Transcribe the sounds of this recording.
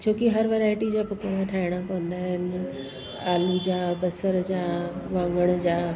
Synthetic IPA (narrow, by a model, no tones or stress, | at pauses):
t͡ɕʰoːkiɦɐɾʋeːɾaːɪʈid͡ʑaːpʊkəɽ̃ãʈʰaːɪɽ̃apɐʋə̃nd̪aːɦɪnɪ | aːlud͡ʑaːbɐsəɾd͡ʑaːʋãːŋɡəɽ̃d͡ʑaː